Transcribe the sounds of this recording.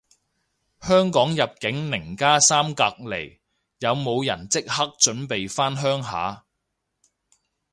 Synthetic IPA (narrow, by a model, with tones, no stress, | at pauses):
hœː˥ŋkɔː˨˥ŋjɐ˨p̚kɪ˨˥ŋnɪ˨˩ŋkaː˥saː˥mkaː˧k̚le˨˩j | jɐ˨˧wmo˨˧wjɐ̰˨˩nt͡sɪ˥k̚hɐ˥k̚t͡ʃɵ˨˥npe˨jfaː˥nɦœː˥ŋɦa̰ː˨˥